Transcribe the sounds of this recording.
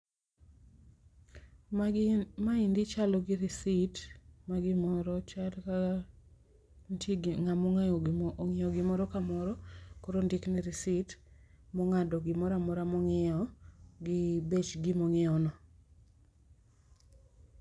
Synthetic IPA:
maindit͡ʃalɔɡɪɾisitmaɡɪmɔɾɔt͡ʃalka | ntiŋamɔŋŋɪɔɡɪmɔɾɔkamɔɾɔkoɾondɪknɪɾisit | mɔŋadɔɡɪmɔɾamɔɾamɔŋɪɔɡɪbet͡ʃɡɪmɔŋɪɔnɔ

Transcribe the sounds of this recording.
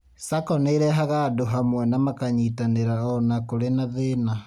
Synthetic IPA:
sakɔneiɾɛɦaɣadoɦamwɛnamakaɲitaneɾaɔnakoɾenaðena

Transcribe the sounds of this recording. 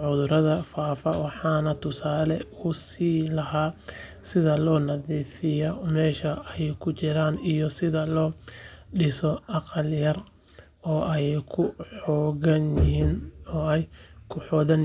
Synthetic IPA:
ʕʊðʊɾɐðɐfaːfɐwɑħɑːnɐt̪ʰʊsaːlɛʊsiːlɐɦaː | sɪðɐlɔːnɐðiːfɪjɔmɛːʃɐɛjkʰʊt͡ʃɪɾaːnijɔsɪðɐlɔːɖɪsɔʔɑqɑljɐr | ɔːʔɛjkʰʊħɔːɣɐnjɪɦiːnɔːɛjkʰʊħɔːðɐn

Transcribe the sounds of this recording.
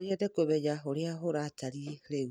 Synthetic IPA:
ɾieðekoβɛjaoɾeaɦoɾataɾieɾe

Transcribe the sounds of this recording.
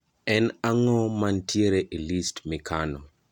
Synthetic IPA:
ɛnaŋɔmantʰjeɾeʔilistmikʰanɔ

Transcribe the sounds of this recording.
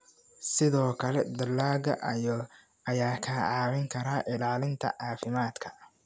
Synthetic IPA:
sɪðɔːkʰɐlɛd̪ɐlːaːɣɐʔɐjɔ | ɐjaːkʰaːʕɑːwɪŋkʰɐɾaːʔɪlaːlɪnt̪ʰɐ̰ʔaːfɪmaːd̪kʰɐ̥

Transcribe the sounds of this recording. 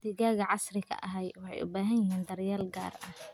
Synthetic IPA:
d̪̥ɪɣaːɣɐʕɑsrɪkʰɐ̰ʔɐɦɛjwɑħɑ̰jʔʊ̰baːɦɐnjɪɦiːnd̪ɐrjaːlɡa̰ːrʔɐh

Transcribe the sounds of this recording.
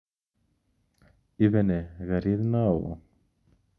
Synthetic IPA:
ivɛneɣaɾiðnaw

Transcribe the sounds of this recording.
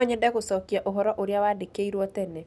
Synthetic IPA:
ɔɲɛdɛkosɔkiaʔoɦɔɾɔʔoɾjawadekeiɾwɔtɛnɛ

